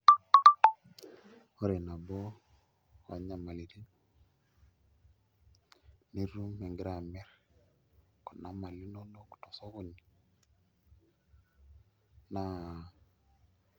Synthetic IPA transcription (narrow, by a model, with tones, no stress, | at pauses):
ɔ˦ɾe˨na˨bɔ˦ | wa̰˨ɲa˨ma˨li˨ɾi˦n˦ | ni˦ɾu˦mɛ˨ŋɡɪ˦ɾa˨mɛ˦ɾ | kɔ˨na˨˦ma˨li˦no˦no˦ku̥˨tɔ˨sɔ˦ɣo˨ni˨ | na˨˦˨